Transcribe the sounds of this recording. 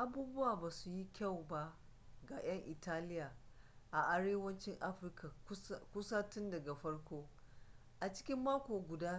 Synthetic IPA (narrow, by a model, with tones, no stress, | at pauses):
ʔa˦buː˦bʊ˦waː˨baː˨su˨ji˦kʲa˦˨wba˦ | ɡa˨j̰ɐ˦ŋʔɪ˨taː˦lɪ˦jaː˨ʔa˨ʔa˦ɽeː˦wɐ˦nt͡ʃɪ˦ŋʔa˦ɸɪ˦rka˨kʷʊ˦saː˦tʊ˦ndɐ˨ɡa˨ɸɐ˦ɽkʷoː˦ | ʔa˨t͡ʃɪ̥˦kʲɪ˦mːaː˦kʷoː˨ɡʷʊ˨daː˦